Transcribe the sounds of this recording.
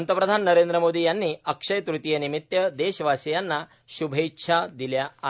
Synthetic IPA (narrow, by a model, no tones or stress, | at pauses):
nt̪ɐpɾɐd̪ʱaːnɐnɐɾeːnd̪ɾɐmoːd̪ijanːiɐkʂɐjɐt̪ɾut̪ijɐnimit̪jɐd̪eːʃɐʋaːsɐjanːɐ | ʃubʱɐjtːʃʰaːd̪iljɐ